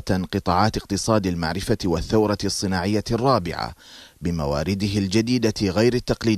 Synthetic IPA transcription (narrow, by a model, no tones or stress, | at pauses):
t̪anqɨt̪ˤɑːʕɑːt̪ɪq̚t̪ɨsˤɑːd̪alma̰ʕɾɪfawaθːawɾˤɑsˤːɨnaːʕɪjːarˤːɑːbɪ̰ʕa̰bɪma̰wa̰ːɾɪd̪ɪɦɪld͡ʒad̪iːd̪aɣajɾat̪ːɑqliː